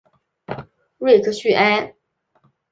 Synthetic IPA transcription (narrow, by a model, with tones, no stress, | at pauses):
ɻwe˥˧ɪkʰɤ˥ɕy˥˩ʔa˥n